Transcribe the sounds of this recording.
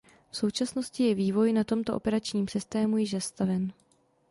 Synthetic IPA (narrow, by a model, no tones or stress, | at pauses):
fso̞wt͡ʃasno̞scɪjɛviːvo̞jnat̪o̞mt̪o̞ʔo̞̰pɛɾat͡ʃɲiːmsɪst̪ɛːmujɪʒzast̪avɛn